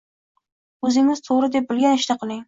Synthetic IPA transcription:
ɵzɪŋɪz̥t̪ʰoʁɾɪd̪e̞p̚bɪlɡʲanɪʃt̪aqʰɨlˠɪŋ

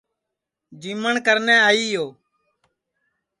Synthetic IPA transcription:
d͡ʒiːməɳkəɾnẽːaːiːjoː

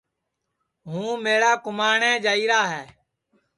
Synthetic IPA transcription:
ɦũːmeːɽaːkʊmaːɳɛ̃ːd͡ʒaːiːɾaːɦɛː

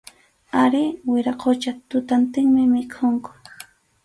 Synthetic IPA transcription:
aɾɪwɪɾaqʰot͡ʃat̪ʊt̪ant̪ɪŋmɪmɪkʰʊŋkʊ̥

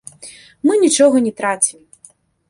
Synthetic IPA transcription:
mɨnʲit͡ʂɔɣɐnʲɛt̪ɾat͡sʲim

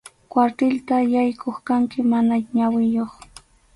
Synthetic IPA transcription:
kwaɾt̪ɪlt̪ajajkʰoχkaŋkɪmanaɲawɪjoχ

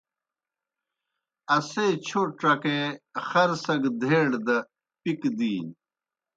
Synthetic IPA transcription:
ɐseːt͡ɕʰoʈ͡ʂɐkexɐɾsɐɡd̪ʱeːɽd̪ɐ | pikd̪iːn

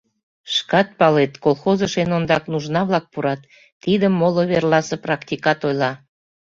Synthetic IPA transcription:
ʃkɑt̪̚pɑlet̪kolˠxozəʃenond̪ɑknuʒnɑβlɑk̚puɾɑt̪ː | id̪əmːoloβerlɑsə̆prɑkt̪ʲikɑt̪ojlɑ

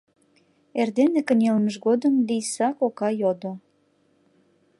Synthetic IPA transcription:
erd̪enekə̆nʲelməʃɣod̪əmlijsɑkokɑjod̪o

